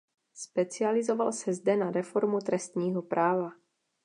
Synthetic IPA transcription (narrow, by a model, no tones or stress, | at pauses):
spɛt͡sɪalɪzo̞valsɛzdɛnaɾɛfo̞ɾmut̪ɾɛst̪ɲiːɦo̞pɾʔaːva